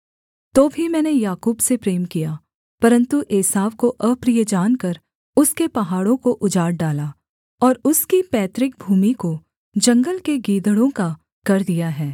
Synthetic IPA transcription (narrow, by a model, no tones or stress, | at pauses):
t̪oːbʱimɛ̃ːnejaːkuːbsepɾeːmkija | pɐɾə̃nt̪uʔeːsaːʋkoʔɐbpɾijəd͡ʒaːnkɐɾ | ʊskepɐɦaːɽõkoʔʊd͡ʒaːɽɖaːlaː | ɔːɾʊskipɛːt̪ɾɪk̚bʱuːmiko | d͡ʒɐ̃ŋɡəlkeɡiːd̪əɽõka | kɐɾd̪ijaɦɛː